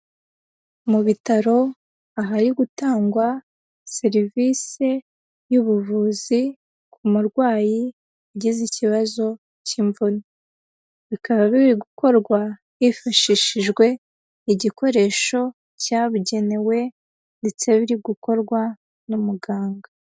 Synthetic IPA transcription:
muβitaɾo̞ | aɦaɾiɡutaːŋɡwa | se̞ɾiviːse̞ | juβuvuːzi | kumuɾɡwaːji | aɟiziciβazo̞ | ciɱvuno | βikaβaβiβiɡuko̞ɾɡwa | ifaʃiʃiʒɡwe̞ | iɟiko̞ɾe̞ːʃo̞ | caβuɟe̞ne̞we̞ | nde̞t͡se̞βiɾiɡuko̞ɾɡwa | numuɡaːŋɡa

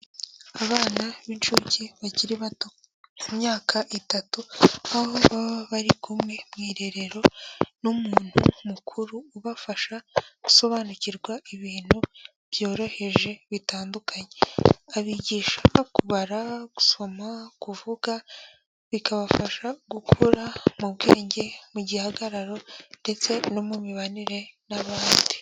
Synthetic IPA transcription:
aβaːnaβint͡ʃuciβaɟiɾiβato | umɲaːkʰaʔitatuahoβaβaɾikumŋe̞mŋiːɾe̞ɾe̞ɾo̞numuːn̥hṵmukʰuɾuːβafaʃaɡ̥u̥so̞βaːnuciɾɡwaiβiːn̥hu | βjo̞ːɾo̞he̞ʒe̞βitaːndukʰaɲe̞aβiɟiːʃakuβaɾaɡ̥u̥so̞makuvuɡa | βikaβafaʃaɡukʰuɾamuβɡḛːɲɟe̞muɟihaɡaɾaɾo̞nde̞t͡se̞no̞mumiβaniɾe̞naβaːndi

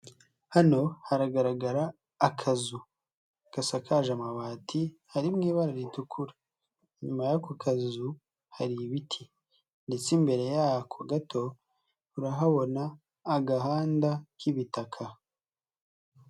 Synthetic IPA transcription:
hano̞haɾaɡaɾaɡaɾaː | kʰazu | kasakʰaʒamaβaːtʰihaɾimŋiːβaɾaɾitukʰuɾa | ɲumajakokʰazu | haɾiβitʰi | nde̞t͡simbe̞ɾe̞jakʰoɡatʰo̞ | huɾaɦaβo̞naː | ɡaɦaːndakiβitakʰa

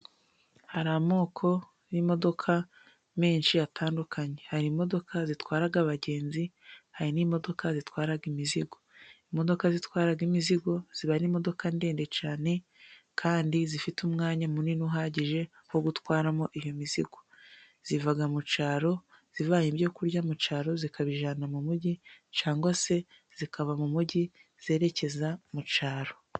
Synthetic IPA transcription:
haɾamo̞ːkʰo̞ | jimo̞do̞kʰa | meːnʃiatʰaːndukaɲe̞haɾimo̞do̞kazitwaːɾaɡaβaɟe̞ːnzihaɾinimo̞do̞kʰazitwaːɾaɡimiziɡo̞imo̞do̞kazitwaːɾaɡimiziɡo̞z̥iβaɾimo̞do̞kande̞ːnde̞t͡ʃaːne̞ | kʰaːndizifitumŋaːɲamuninuɦaːɟiʒe̞ | hoɡutwaːɾamo̞ʔijomiziɡo̞ | z̥ivaɡamut͡ʃaːɾo̞ | z̥ivaɲiβjo̞kuɾɟamut͡ʃaːɾo̞zikaβiʒanamumuɟit͡ʃaːŋɡwase̞ | z̥ikaβamumuɟi | z̥e̞ːɾe̞ce̞zamut͡ʃaːɾo̞

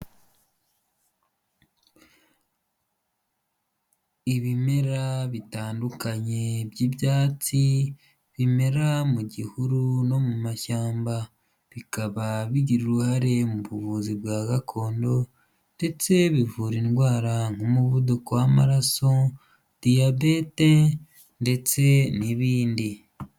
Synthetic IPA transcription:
iβime̞ɾaβitaːndukaɲe̞bjiːbjaːt͡si | βime̞ɾamuɟihuɾuno̞mumaʃaːmba | βikaβaβiɟiɾuɾuhaɾe̞muβuβuːzibɡaːɡakʰo̞ːndo̞ | nde̞t͡se̞βivuɾinɡwaːɾaŋ̥homuβudukowamaɾaso̞ | d̥ijabete | nde̞t͡se̞niβiːndi

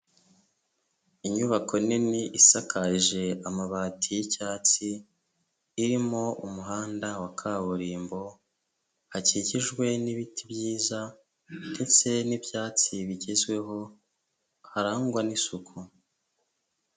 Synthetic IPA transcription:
iɲuβako̞niniʔisakʰaʒe̞amaβaːtʰijicaːt͡siː | ɾimo̞umuɦaːndawakʰaβuɾiːmbo̞ | haciɟiʒɡwe̞niβitʰibjiːza | nde̞t͡se̞nibjaːt͡siβiɟezwe̞ɦo̞ | haɾaŋɡwanisukʰu

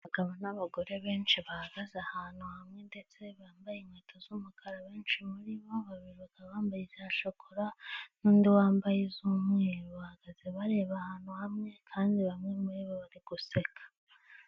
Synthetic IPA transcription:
βaɡ̥aβanaβaɡo̞ɾe̞βe̞ːnt͡ʃiβahaɡazahaːn̥huhamŋe̞nde̞t͡se̞βaːmbajimweːtʰozuːmukʰaɾaβe̞ːnt͡ʃimuɾiβo̞βaβiɾukaβaːmbajizjaːʃokoɾanuːndiwaːmbajezumŋeːɾβahaɡ̥azeβaɾe̞ːβahaːn̥huhamŋe̞kʰaːndiβamŋemuɾiβoβaɾiɡ̥use̞kḁ

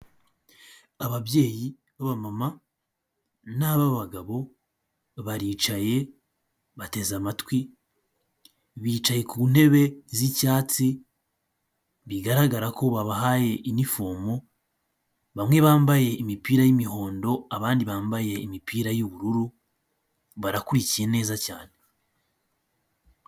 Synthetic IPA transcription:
aβaβje̞ːji | βaβamama | naβaβaɡaβo̞ | βaɾiːt͡ʃaje̞ | βate̞zamatwi | βiːt͡ʃaje̞kuːn̥e̞βe̞zicaːt͡si | βiɡaɾaɡaɾako̞βaβahaje̞ʔinifoːmo | βamŋwe̞βaːmbaje̞imipiːɾajimiho̞ːndo̞aβaːndiβaːmbaje̞imipʰiːɾajuβuɾuɾu | βaɾakuɾicije̞ne̞ːzaca̰ːne̞

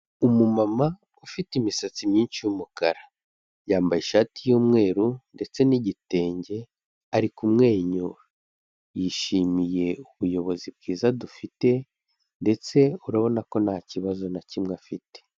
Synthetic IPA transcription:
umumama | ufitimisat͡simɲiːnʃijumukaɾa | jaːmbajeʃaːtijoːmŋe̞ːɾunde̞t͡se̞niɟite̞ːɲɟe̞ | aɾikumŋe̞ːɲoɾ | jiʃimije̞uβujo̞βo̞zib̚ɡiːzadufite̞ | nde̞t͡se̞uɾaβo̞nako̞naːciβazo̞nacimŋeafite̥

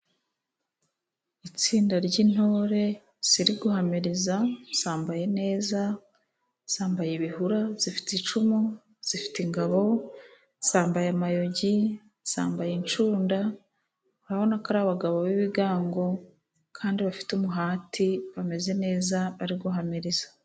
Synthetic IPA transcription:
it͡siːndaɾɟin̥ho̞ːɾe̞ | z̥iɾiɡuɦamiɾizaz̥aːmbaje̞ne̞ːza | z̥aːmbajeβihuɾaz̥ifi̥tit͡ʃumu | z̥ifi̥tiŋɡaβo̞ | zaːmbajamajo̞ɟi | z̥a̰ːmbajint͡ʃuːnda | uɾaβo̞nakaɾaβaɡaβoβiβiɡaːŋɡo̞ | kʰaːndiβafi̥tumuɦaːtʰiβame̞ze̞ne̞ːzaβaɾiɡuɦamiɾiz̥ḁ

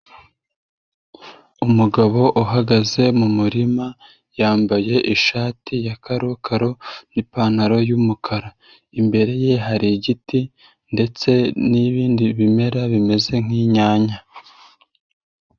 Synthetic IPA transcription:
umuɡaβo̞ʔuɦaɡaze̞mumuɾima | jaːmbaje̞ʔiʃaːtijakaɾokʰaɾo̞nipaːnaɾo̞jumukʰaɾa | imbe̞ɾe̞je̞ɦaɾiɟiti | nde̞t͡se̞niβiːndiβime̞ɾaβime̞ze̞ŋ̥iːɲaːɲa

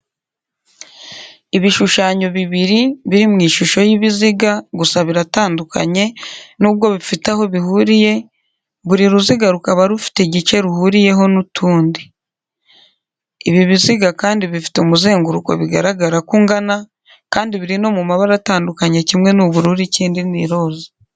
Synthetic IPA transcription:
iβiʃuʃaːɲo̞βiβiɾiβiɾimŋiːʃuʃo̞jiβiziɡaɡusaβiɾataːndukʰa̰ɲe̞nuːβɡo̞βifitaho̞βihuɾije̞ | βuɾiɾuziɡaɾukaβaɾufi̥teɟit͡ʃe̞ɾuhuɾije̞ɦo̞nutʰuːndi | iβiβiziɡakaːndiβifi̥to̞muze̞ːŋɡuɾuko̞̰βiɡa̰ɾaɡaɾakuːŋɡana | kaːndiβiɾino̞mumaβaɾataːndukaɲe̞cimŋe̞nuβuɾuːɾiciːndiniɾo̞ːzi̥

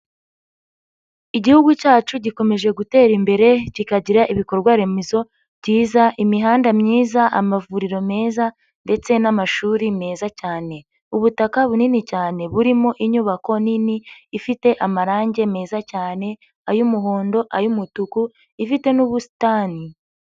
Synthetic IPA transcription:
iɟihuɡucaːt͡ʃuɟiko̞me̞ʒe̞ɡute̞ːɾimbe̞ɾe̞ɟikaɟiɾaʔiβiko̞ɾɡwaɾe̞mezo̞ | bɟiːzaʔimiɦaːndamɲiːzaʔamavuɾiɾo̞me̞ːza | nde̞t͡se̞namaʃuːɾime̞ːzacaːne̞ | uβutakaβuninicaːne̞βuɾimo̞ʔiɲuːβako̞niniːfite̞ʔamaɾaːɲɟe̞me̞ːzacaːne̞ | ajumuɦo̞ːndo̞ʔajumutuku | ifite̞nuβusi̥taːni

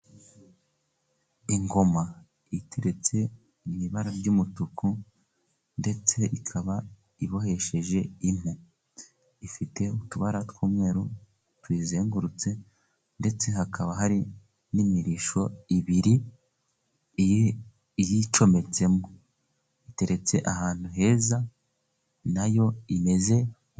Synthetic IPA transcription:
iŋɡo̞ma | itʰe̞ɾe̞t͡se̞ | iβiβaɾaɾɟuːmutuku | nde̞t͡se̞ʔikʰaβa | iβo̞ɦhe̞ʃe̞ʒe̞in̥u | ifite̞utuβaɾatwuːmŋe̞ːɾu | twiːzeːŋɡuɾut͡se̞ | nde̞t͡se̞ɦakʰaβaɦaɾi | nimiɾiʃo̞iβiɾi | ijit͡ʃo̞me̞t͡se̞mo | ite̞ɾe̞t͡se̞ʔahaːn̥huɦe̞ːza | najo̞ime̞ze̞

